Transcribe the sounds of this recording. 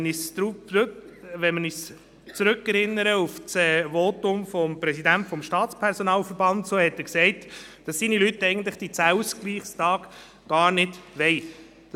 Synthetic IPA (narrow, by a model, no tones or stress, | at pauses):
nisuː | ʋɛnmənis | t͡sɾɵkːɛɾɪnːəɾəuft͡sɛːʋɔːtʊmfɔmpɾɛsidæntfɔmʃtɑːtt͡spʰɛɾsɔnɑːlfəɾbɑnt̪soːhɛtɪksɛɪtd̥ɑsːiːnilytːɛɪɡən̩t̪lɪχd̥it͡sæwsɡ̥liːχstɑːk | ɡ̥ɑːɾnɪdʋɛɪ̥